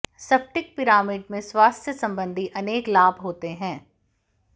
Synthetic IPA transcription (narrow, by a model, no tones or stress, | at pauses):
sɐp̚ʰʈɪk̚pɪɾaːmɪɖmẽswaːst̪ʰjəsɐ̃mbə̃nd̪ʱiʔɐneːklaːbʱɦoːt̪eɦɛ̃ː